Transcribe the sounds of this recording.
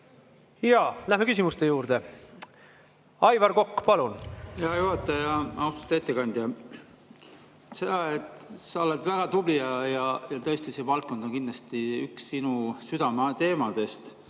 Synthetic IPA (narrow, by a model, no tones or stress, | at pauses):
jɑlæɦmekys̬ʲimust̪e̞juːɾd̪̥e | ɑjvɑɾko̞kːpɑlunheɑjuɦɑt̪ːˑɑjɑɑwst̪u̥t̪ːet̪ːekɑnʲd̪jɑ | ese̞d̪̥ɑet̪sɑolet̪væɡ̥ɑt̪ublijɑjɑjɑt̪ɤ̞ːst̪isevɑlt̪̚kod̪onkind̪lɑst̪iy̰ksːinusyd̪ɑmɑt̪e̞ːmɑd̪e̞st̪